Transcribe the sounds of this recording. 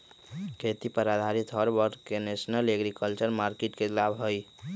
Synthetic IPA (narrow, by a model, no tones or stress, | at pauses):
kʰet̪ipəɾad̪ʱaɾit̪ʰɦɔɾbəɾɖkenesnəleɡɾikəlt͡ʃəɾmaɾkeʈkelabɦəj